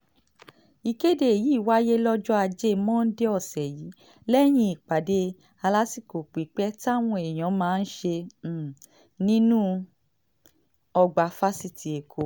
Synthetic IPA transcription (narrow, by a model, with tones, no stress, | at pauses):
i˨ke˦de˨e˨ji˨˦˨wa˦je˦lɔ˦d͡ʒɔ˦a˧d͡ʒe˦˨˧mɔ̃˦n̩˦de˦ɔ˦˨sɛ˨jiː˨˦ | lɛ˦j̃ĩ˧˦i˨k͡pa˨˦de˧˦ | a˧la˦si˦˨ko˨k͡pi˨˦k͡pɛ˦ta˦˨w̃ɔ̃˧e˨j̃ɔ̃˨˦mãː˦˧n̩˦ʃe˧˦˨ | nĩ˦nũ˦ | ɔ˧ɡ͡ba˨fa˦si˧tʰi˨e˨kʰo˨˦